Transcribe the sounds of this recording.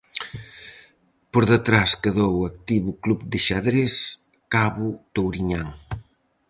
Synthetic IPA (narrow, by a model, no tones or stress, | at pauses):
poɾðət̪ɾaskəðowak̚t̪iβuklubd̪ɪʃaðɾes | kaβut̪owɾiɲaŋ